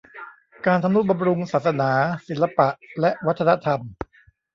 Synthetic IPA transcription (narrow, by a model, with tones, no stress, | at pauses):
kaː˧nt̪ʰa˧mnu˦˥t̪̚ba˧mɾu˧ŋsaː˨˩sa˧˥naː˩˦si˩˦la˧pa˨˩ʔlɛ˦˥ʔwa˦˥t̪ʰːa˧na˦˥t̪ʰa˧m